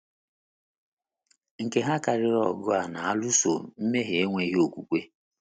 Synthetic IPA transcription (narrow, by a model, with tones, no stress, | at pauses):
ŋ̩˨ke˨ɦa˦ka˨ɾɪ˦ɾɔ˨ɡʊ˦a˨na˨a˦lu˦so̰˨m̩˦me˦ɦe˨e˦ŋʷe˨˦ɦi˦o˨kʷu˨kʷe˦